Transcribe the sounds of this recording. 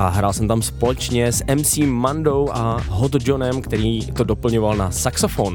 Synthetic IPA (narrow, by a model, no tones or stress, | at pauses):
ʔaɦɾaːlsɛmt̪amspo̞lɛt͡ʃɲɛsʔɛmsiːmːandowʔaɦot̪d͡ʒonɛmkt̪ɛɾiːt̪odo̞pl̩ɲovalnasaksofon